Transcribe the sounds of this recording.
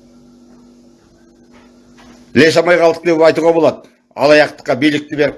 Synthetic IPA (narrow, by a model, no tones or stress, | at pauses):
leʃ̬ɑmɑjʁɑlˠəqd̪eɑjt̪uʁɑbo̞lˠɑd̪ | ɑ̰lˠɑjɑqt̪ə̥qːɑbijlɪk̚t̪ɪbe̞ɾɪp